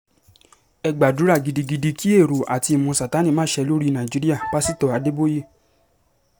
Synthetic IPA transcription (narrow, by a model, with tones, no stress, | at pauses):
ɛ˧ɡ͡ba˨du˨˦ɾa˦˨ɡi˨di˧ɡi˧di˧kʰi˦e˦˨ɾu˨ʔa˨ti˧i˨mũ˧˦sa˨ta˨˦nĩ˦˨mãː˦ʃɛ˧lo˦ɾi˦nã˨ĩ˨d͡ʒi˨˦ɾi˦a˦˨pa˦si˦˨tɔ˦˨a˨˧de˦bo˦ji˦˨